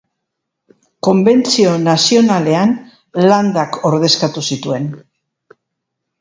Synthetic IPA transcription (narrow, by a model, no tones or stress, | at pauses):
ko̞mbe̞nt͡sio̞nasio̞nale̞an | land̪ako̞ɾðe̞skat̪usit̪ue̞n